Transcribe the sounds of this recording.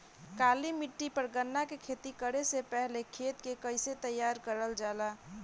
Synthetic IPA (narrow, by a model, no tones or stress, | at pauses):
kalimiʈːipəɾɡənːakekʰet̪ikəɾesepɛɦlekʰet̪kekəɪset̪əjːaɾkəɾəld͡ʒala